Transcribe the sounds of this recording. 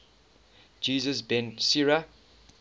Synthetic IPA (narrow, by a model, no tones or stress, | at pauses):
d͡ʒiːzəsbɛ̃nsiɹa